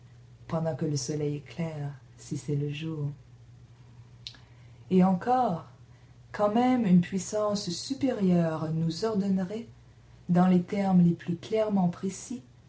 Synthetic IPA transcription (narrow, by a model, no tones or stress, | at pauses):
pɑ̃d̪ɑ̃kələsɔlɛjɛklɛːʁ | sisɛləʒuːʁ | eɑ̃kɔːʁ | kɑ̃mɛmynpɥisɑ̃sːypeʁjœʁnuzɔʁd̪ɔnʁɛ | d̪ɑ̃let̪ɛʁmleplyklɛʁmɑ̃pχesi